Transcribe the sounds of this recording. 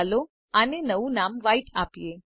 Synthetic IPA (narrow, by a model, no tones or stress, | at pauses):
lo | anenəʋũnamʋaiʈʰapje